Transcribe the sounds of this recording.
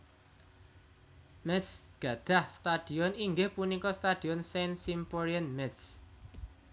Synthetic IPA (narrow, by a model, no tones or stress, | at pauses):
mɛt̪sɡ̥a̤d̪̥a̤hst̪ad̪̥i̤ɔniŋɡɪhpunikɔst̪ad̪̥iɔnsensimpɔɾianmɛt̪s